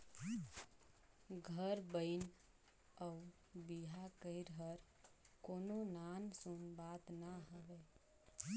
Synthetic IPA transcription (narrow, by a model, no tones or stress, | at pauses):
ɡʱəɾbəɪn | əu | biɦakəɪɾɦəɾ | kononansunbat̪naɦəbɛ